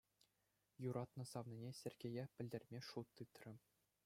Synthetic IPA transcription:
juɾɑt̪nɤ̆sɑʋnʲinʲesʲĕrʲɡʲejæpʲɘ̆lʲdʲĕrʲmʲeʂut̪ːɯt̪rʲɘ̆

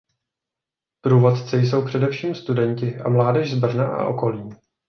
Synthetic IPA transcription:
pɾuːvo̞t̪t͡sɛjs̬o̞wpr̝̥ɛdɛfʃiːmst̪udɛɲcɪʔamlaːdɛʒzbr̩naʔa̰ʔo̞̰ko̞liː

